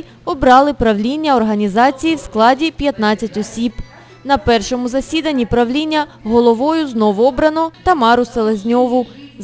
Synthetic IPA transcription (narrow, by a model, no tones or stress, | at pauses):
ɔbɾɑlˠɪpɾɐwlʲinʲːɐɔrɦɐnʲizɑt͡sʲijiwsklˠɑdʲipʲjɐt̪nɑt͡sʲːɐtʲɔsʲib | nɐpɛrʃɔmʊzɐsʲid̪ɐnʲːipɾɐʋlʲinʲːɐ | ɦɔlˠɔʋɔjʊznɔʋʊɔbɾɐnɔt̪ɐmɑɾʊselˠezʲnʲɔʋʊ